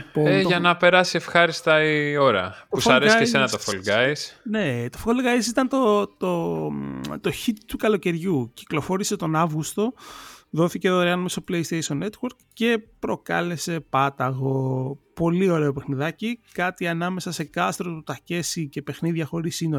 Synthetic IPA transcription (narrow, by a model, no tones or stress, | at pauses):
poeʝɐnɐpe̞ɾɐsie̞fxɐɾist̪ɐio̞ɾɐ̰p̪ousfɐesesenɐt̪ofolɡɐjsne̞t̪o̞folɣɐjsit̪ɐnt̪ot̪o | t̪o̞çit̪t̪ukɐlo̞ce̞ɾʝuci̥klo̞fo̞ɾise̞t̪o̞nɐvɣust̪o̞ðo̞θice̞ðoɾeɐnɐmesoplejst̪ejʃo̞net̪woɾkce̞pɾo̞kɐ̰le̞se̞pɐt̪ɐɣo̞po̞lio̞ɾe̞o̞pexniðɐcikɐt̪iɐnɐme̞sɐse̞kɐst̪ɾot̪ut̪ɐce̞sice̞pe̞xniðʝɐxo̞ɾisino